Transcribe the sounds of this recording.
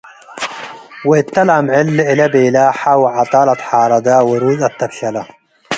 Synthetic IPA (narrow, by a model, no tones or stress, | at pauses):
wɪʔɪt̪ːalamʕɪlːʔɪlabelaːħawɪʕɑt̪ˤɑːlat̪ħɑːɾˤɑd̪awɪɾuːzat̪ːakɬala